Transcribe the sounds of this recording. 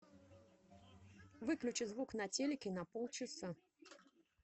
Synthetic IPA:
vɨklʲʉt͡ɕɨzvuknɐtʲelʲɪkʲɪnɐpɔlˠt͡ɕɨsa

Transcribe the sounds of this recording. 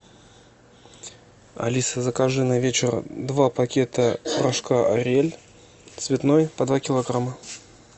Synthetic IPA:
ɐ̰lʲisəzəkaʐɨnɐvʲet͡ɕɪrd̪vapɐkʲe̞t̪əpɾaʂkaʔɐɾʲelʲ | t̪svʲɪt̪nojpɐd̪vakʲɪlˠɐɡɾamə

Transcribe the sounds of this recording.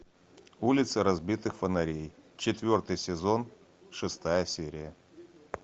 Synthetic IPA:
ulʲɪt̪səɾɐzbʲit̪ɨxfənɐɾʲejt͡ɕɪt̪vʲo̞rt̪ɨjsʲɪzo̞n | ʂɨst̪ajəsʲeɾʲɪjə

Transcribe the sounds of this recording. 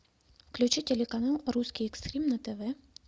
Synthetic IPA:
fklʲut͡ʃitʲɛlʲɛkanalˠɾuskʲiɛkst̪ɾʲimnɐt̪ɛvɛ

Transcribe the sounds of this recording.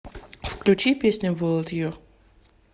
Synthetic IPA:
fklʲʉt͡ɕipʲesʲnʲɪvolˠət̪jɪjo

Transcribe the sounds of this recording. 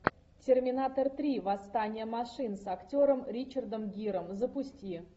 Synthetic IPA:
tʲɪrmʲɪnat̪ərt̪ɾʲivɐst̪anʲɪjəmɐʂɨnsɐktʲoɾəmɾʲit͡ɕərd̪əmɡʲiɾəmzəpʊsʲtʲi

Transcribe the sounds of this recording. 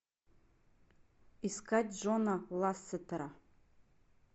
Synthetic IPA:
iskʰatʲʒʷonalasːatʰaɾa

